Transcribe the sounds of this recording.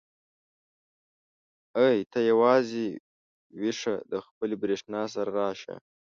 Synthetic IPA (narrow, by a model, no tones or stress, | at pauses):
əjt̪ʰajawɑze | wɪʂad̪əxpəlibɾeʂnɑs̬aɾaɾɑːʃa̰